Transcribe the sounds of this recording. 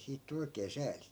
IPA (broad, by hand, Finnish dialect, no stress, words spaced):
siːt tu oikeː sæːli